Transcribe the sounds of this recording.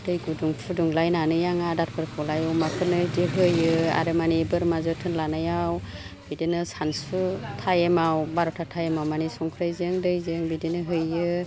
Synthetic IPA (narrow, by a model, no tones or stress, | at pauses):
d̥ɯjɡuduŋpʰuduŋlajnanɯjaŋadaɾ̚pʰɯɾkʰɔlajɯwmakʰɯnɯdiɦɯjɯa̰ɾɯmanibɯɾmazɯtʰɯnlanajaw | b̥idenɯsansutʰajemawbaɾɔtʰatʰajemawmanisɔŋkʰɾajzɯŋdɯjzɯŋbidenɯɦɯjɯ